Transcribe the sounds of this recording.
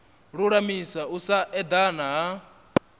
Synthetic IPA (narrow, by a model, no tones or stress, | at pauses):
ɺuɺamisausaʔɛd̪anaɦa